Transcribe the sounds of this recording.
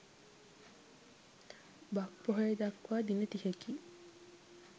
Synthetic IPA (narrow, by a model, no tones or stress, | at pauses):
bak̚poɦejed̪akwaːd̪inət̪ihekiː